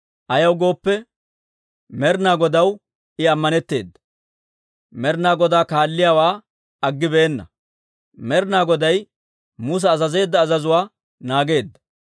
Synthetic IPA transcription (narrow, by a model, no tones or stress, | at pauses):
ʔɐjɐwɡo̞ːpːɛ | mɛɾnaːɡɔd̪ɐw | ɪɐmːɐnɛt̪ːe̞ːd̪ːɐ̥ | mɛɾnaːɡɔd̪aːkaːlːɪjaːwaː | ɐɡːɪbeːnːɐ̰ | mɛɾnaːɡɔd̪ɐj | mus̬ɛːzɐze̞ːd̪ːɐːzɐzʊwaː | naːɡe̞ːd̪ːɐ̥